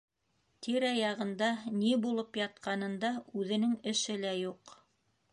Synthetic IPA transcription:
t̪ʰiɾɑjɑʁɤ̆nd̪ɑnibulˠɤpjɑt̪̚qɑnɤ̆nd̪ɑʉðɘ̆nɘŋɘ̆ʃɘlæjuq

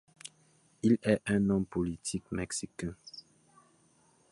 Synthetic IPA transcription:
ilɛʔɛ̃nɔ̃mpolit̪ʰikmɛksikɛ̃

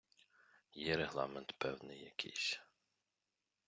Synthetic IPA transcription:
jɛɾeɦlˠɑ̰ment̪pɛwnɪ̰jːɐkʲɪ̰jsʲ

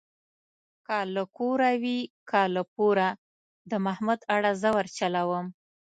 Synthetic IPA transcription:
kaləkoɾawikaləp̚oɾa | d̪əmahmud̪aɽazəwəɾt͡ʃalawəm

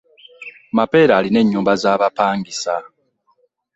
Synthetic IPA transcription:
mape̞ːɾaːline̞ɲːuːmbazaːβapaːŋɡisa

